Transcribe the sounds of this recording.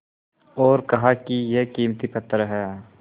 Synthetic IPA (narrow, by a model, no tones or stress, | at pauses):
ɔːɾkɐɦakijekiːmt̪ipɐt̪ːɾɦɛː